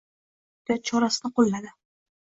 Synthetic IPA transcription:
d̪at̪̚t͡ʃʰɒɾasɪnɪqolːad̪ɪ

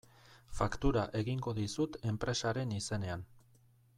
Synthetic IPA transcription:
fakt̪uɾaʔe̞ɣiŋɡo̞ðisut̪e̞mpɾe̞saɾe̞nise̞ne̞an

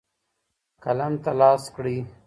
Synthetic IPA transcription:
kalamt̪alɑːskɽi

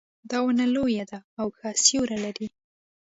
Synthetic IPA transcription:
d̪ɑwʊnalojad̪aːwkʰɑsjoɾalaɾi

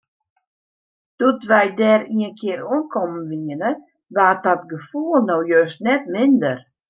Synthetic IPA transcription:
d̥utʋɛjdɛːɾiənkʰɪəɾuənkʰɔmənʋiənə | ʋaːdɔtɡəfuəlˠnowjøstnɛtmɪndər

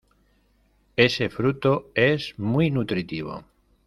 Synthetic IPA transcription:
e̞se̞fɾut̪oe̞zmwijnut̪ɾit̪iβ̞o̰

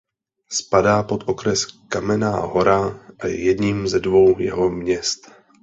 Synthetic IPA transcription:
spadaːpo̞t̪ʔo̞kɾɛskamɛna̰ːɦo̞ɾaʔaj̰jɛdɲiːmzɛdvo̞wjɛ̰ɦo̞mɲɛst̪

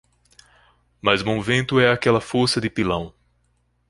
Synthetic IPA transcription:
mɐzmõvẽnt̪ʊɛakɛlɐfoɾsɐd̪ɪpilɐ̃w̃

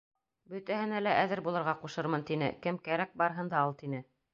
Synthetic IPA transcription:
bɵ̆t̪æɦɘ̆nælæʔæðɘɾbulˠɤ̆ɾʁɑquʃɤɾmɤnt̪inɘ̰kɘmkæɾæk̚bɑɾɤɦɤ̆nd̪ɑulˠt̪inɘ

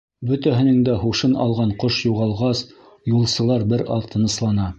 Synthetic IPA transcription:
bɵ̆t̪æɦɘ̆nɘŋd̪æhuʃɤnɑ̰lˠʁɑɴqoʃjuʁɑlˠʁɑs | julˠsɤ̆lˠɑɾbɘɾɑlt̪ʰɤ̆nɤ̆slˠɑnɑ

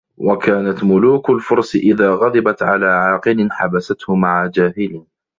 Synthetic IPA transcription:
wakaːnat̪mʊluːkʊlfʊɾˤsɪʔɪðaːɣɑd̪ˤɪbat̪ʕa̰laːʕɑːqɨlɪnħabasat̪hʊmaʕad͡ʒaːhɪlɪ

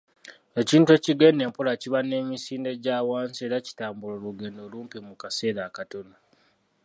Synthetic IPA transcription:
e̞ciːntue̞ciɡe̞ːne̞ːmpulaciβane̞ːɲisiːnde̞ɟaːwaːnze̞ːɾaci̥taːmbuloluɡe̞ːndo̞luːmpimukase̞ːɾakato̞no

